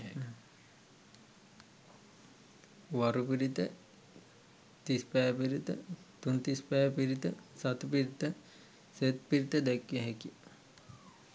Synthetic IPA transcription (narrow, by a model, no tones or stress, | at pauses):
ʋaɾupiɾit̪ə | t̪ispɛjpiɾit̪ə̰t̪unt̪ispɛpiɾit̪əsat̪upiɾit̪ə | set̪piɾit̪əd̪ɛkːeɦɛki